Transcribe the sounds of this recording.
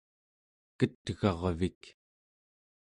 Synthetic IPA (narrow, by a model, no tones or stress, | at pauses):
kət̪ɣɑʁvik